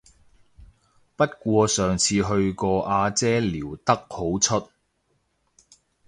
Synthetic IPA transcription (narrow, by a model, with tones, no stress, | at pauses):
pɐ˥t̚kʷɔː˧sœː˨˩ŋt͡sʰiː˧ɦɵ˧ɥkɔː˧ʔaː˧t͡sɛː˥liː˨˩wt̪ɐ˥k̚ho˨˥wt͡ʃʰɵ˥t̚